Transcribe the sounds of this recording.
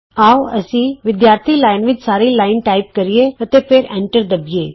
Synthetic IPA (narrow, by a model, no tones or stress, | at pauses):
awəsiʋɪd̪jaːɾt̪ʰiːlajnʋɪt͡ʃsaːɾiːlaɪnʈajp̚kəɾijeət̪epʰeːɾɛ̃ɳʈəɾd̪əbeː